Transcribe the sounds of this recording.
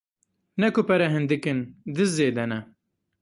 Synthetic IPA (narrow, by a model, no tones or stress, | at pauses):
nɛkʊpɛɾɛɦɨnd̪ɨkɨnd̪ɨzzeːd̪ɛnɛ